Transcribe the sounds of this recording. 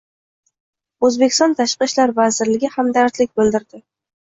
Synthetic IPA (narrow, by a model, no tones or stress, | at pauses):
ɵzbekʲʰɪst̪ɒnt̪ʰaʃqɨʃlaɾvazɪɾlɪɡʲɪhamd̪aɾt̪lɪk̚ʲbɵlˠd̪ɪɾd̪ɪ